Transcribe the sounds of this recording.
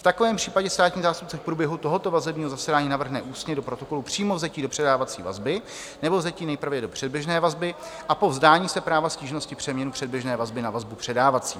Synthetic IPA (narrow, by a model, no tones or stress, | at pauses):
ft̪akovɛːmpr̥iːpaɟɛst̪aːt̪ɲiːzaːst̪up̚t͡sɛfpɾuːbjɛɦut̪o̞ɦo̞t̪o̞vazɛbɲiːɦo̞zasɛdaːɲiːnavr̩ɦnɛʔuːst̪ɲɛdo̞pɾo̞t̪o̞ko̞lupr̝̥iːmo̞vzɛciːdo̞pr̥ɛdaːvat͡sḭːva̰zbɪ | nɛbo̞vzɛciːnɛjpɾ̩vjɛdo̞pr̥ɛdbjɛʒnɛːvazbɪʔapo̞vzdaːɲiːsɛpɾaːvasciːʒno̞scɪpr̝̥ɛmɲɛnupr̥ɛd̚bjɛʒnɛːvazbɪnavazbupr̥ɛdaːvat͡siː